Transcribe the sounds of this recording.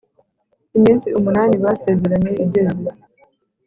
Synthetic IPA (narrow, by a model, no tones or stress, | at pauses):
imiːnsiumunaːniβase̞zeɾaɲeiɟeziɾa